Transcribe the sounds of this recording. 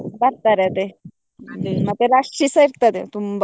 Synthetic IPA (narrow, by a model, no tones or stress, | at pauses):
bat̪ːaɾet̪e | emat̪eɾaʂʈɾisəiɾt̪at̪ḛt̪umb